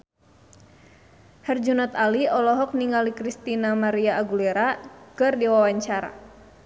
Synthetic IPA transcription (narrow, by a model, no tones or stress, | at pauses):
hɛrd͡ʒunat̪aliɔlɔɦɔk̚niŋalikɾist̪inamaɾiaːɡulɛɾakɨrdiwawaɲt͡ʃaɾa̰